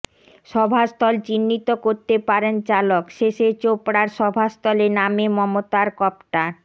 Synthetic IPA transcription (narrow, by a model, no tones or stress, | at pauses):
ʃɔbʱast̪ɔlt͡ɕinːit̪okoɾt̪epaɾent͡ɕalokʃeʃet͡ɕopɽaɾʃɔbʱast̪ɔlenamemɔmot̪aɾkɔpʈaɾ